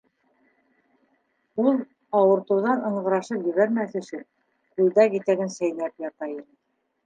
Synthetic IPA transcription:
ulˠ | ɑwɤ̆ɾt̪ɤ̆wðɑnɤ̆ɴɢɤ̆ɾɑʃɤpjɵ̆βæɾmæθɵ̆ʃɘ | kʉld̪ækit̪æɡɘnsæjlæpjɑt̪ɑjinɤ

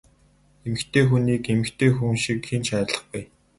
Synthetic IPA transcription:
emɘ̆xt̪ʰeːxuniːkemɘ̆xt̪ʰeːxuŋʃikxenʃæːɮə̆χɡuj

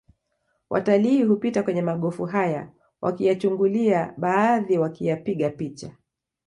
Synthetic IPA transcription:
wʔa̰taliːɦupitakwɛɲɛmaɠɔfuɦaja̰ | wʔa̰kijat͡ʃuŋɡuliaɓaːðiwakijapiɠapit͡ʃa

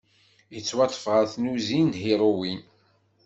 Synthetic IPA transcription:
jət͡sːwɑt̪ˤːə̥fʁəɾθnuzinhiɾˤowin

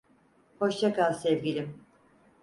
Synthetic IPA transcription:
ho̞ʃt͡ʃ̪ʰakalˠsɛvɡʲilʲim

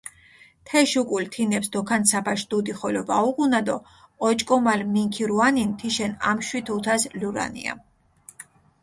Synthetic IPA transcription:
t̪ʰɛʃukʼult̪ʰinɛpsd̪ɔkʰansapʰaʃd̪ud̪iχɔlɔvauʁunad̪ɔː | t͡ʃʼkʼɔmalmiŋkʰiɾuanint̪ʰiʃɛna̰mʃwit̪ʰut̪ʰasluɾa̰nḭa̰

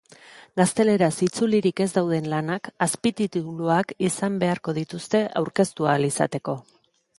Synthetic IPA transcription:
ɡast̪e̞le̞ɾasit͡suliɾike̞zd̪awð̞e̞nlanakaspit̪it̪iβluakisambe̞aɾko̞ð̞it̪ust̪e̞ʔawɾke̞st̪ualisa̰t̪e̞ko̞

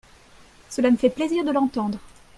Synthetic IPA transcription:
səlaməfɛpleziʁd̪əlɑ̃t̪ɑ̃d̪ʁ

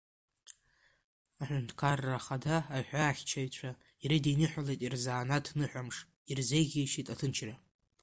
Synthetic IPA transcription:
aħʷᶣʊntʰkʰarːaχadaːħᶣʷaːχʲt͡ʃʰaɥt͡ɕʷʰa | iɾɨdejnɨħʷᶣalejtʼirzaːnatʰnɨħʷᶣamʂ | irze̞jɣʲejʃitʼatʰɨnt͡ʃʰra

